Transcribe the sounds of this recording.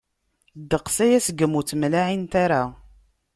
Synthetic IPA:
d̪əqsæjæsəɡəmːut͡smlaʕint̪aɾa

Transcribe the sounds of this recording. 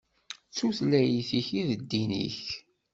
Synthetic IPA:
t͡sːuθlæjiθiçiðəd̪ːinḭç

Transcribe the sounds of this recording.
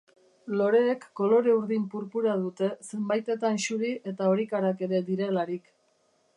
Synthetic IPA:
lo̞ɾe̞ːkːo̞lo̞ɾe̞uɾðimpuɾpuɾað̞ut̪e̞se̞mbajt̪e̞t̪anʃuɾiʔe̞t̪ao̞ɾikaɾake̞ɾe̞d̪iɾe̞laɾik

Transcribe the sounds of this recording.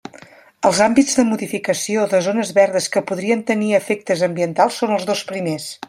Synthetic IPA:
əlˠzambizðəmuðifikəsioðəzonəzβɛɾðəskəpuðɾiənt̪əniəfek̚t̪əzəmbiənt̪alˠsːonəlˠzðospɾimes

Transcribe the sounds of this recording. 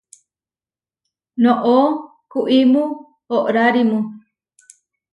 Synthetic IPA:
nõʔo | kuʔimũ | oʔɾaɾimũ

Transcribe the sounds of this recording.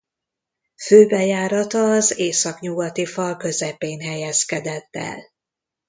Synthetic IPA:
føːbɛjaːɾɒt̪ɒːzeːsɒkɲuɡɒt̪ifɒlkø̞zɛpeːnɦɛjɛskɛd̪ɛt̪ːɛ̰l

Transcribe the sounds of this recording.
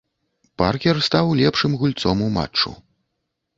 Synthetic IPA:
parkʲɛrst̪awlʲɛpʂɨmɣulʲt̪sɔmuma̰t͡ʂt͡ʂːṵ

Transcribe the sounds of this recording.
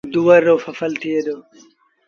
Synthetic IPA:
d̪uwɐɾːofɐfɐlt̪ʰeːd̪o

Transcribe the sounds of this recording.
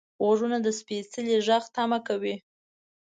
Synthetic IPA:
ɣaʐunad̪əspesəleʒaxt̪amakawi

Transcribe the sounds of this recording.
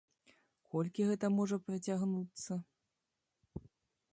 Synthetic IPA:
kɔlʲkʲiɣɛt̪ɐmɔʐɐpɾɐt͡sʲaɣnut̪sːɐ

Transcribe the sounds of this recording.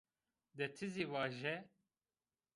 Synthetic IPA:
d̪ɛt̪ʰɨziːvɑːʒɛ

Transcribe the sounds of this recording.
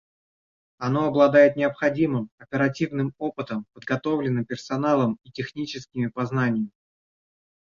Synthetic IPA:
ɐno̞ɐblˠɐd̪ajɪt̪nʲɪəpxɐdʲimɨmɐpʲɪɾɐtʲivnɨmo̞pɨt̪əmpəd̪ɡɐt̪o̞vlʲɪnːɨmpʲɪrsɐnalˠəmitʲɪxnʲit͡ɕɪskʲɪmʲɪpɐznanʲɪjəmʲɪ

